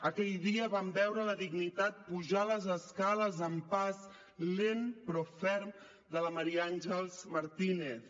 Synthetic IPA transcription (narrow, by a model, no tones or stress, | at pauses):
əkɛʎðiəβambɛwɾələðiɡnit̪at̪̚puʒaləzəskaləzəmpaz | lenpɾɔfɛɾm | d̪ələməɾianʲʒəlˠzməɾt̪ineθ